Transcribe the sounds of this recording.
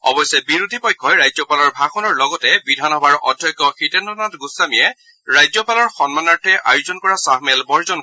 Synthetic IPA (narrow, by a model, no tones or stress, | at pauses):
ɔ̰bɔjsɛbiɹudʱipɔjkʰːɔjɹajzɔpalɔɹbʱaxʰɔnɔɹlɔɡɔtɛbidʱanɔbaɹʔɔ̰dʱjɔkːɔxitɛndɔnatɡusamijɛ | ɹajzɔpalɔɹxɔnmanaɹtʰɛʔa̰juzɔnkɔɹasahmɛlbɔɹzɔn